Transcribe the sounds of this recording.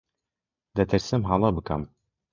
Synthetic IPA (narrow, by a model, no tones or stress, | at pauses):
d̪ɐt̪ʰɨɾsɨmɦɑlˠɑbɨkɐ̰m